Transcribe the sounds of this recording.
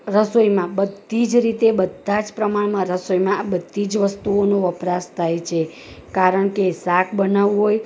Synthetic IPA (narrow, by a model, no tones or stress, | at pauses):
ɾəsojmãbəd̪ʱid͡ʒɾit̪ebəd̪ʱãd͡ʒpɾəmaɳmãɾəsojmãabəd̪ʱːid͡ʒʋəst̪uonoəpɾast̪ʰajt͡ʃʰe | kaɾəɳkesakʰbənaʋũɦoj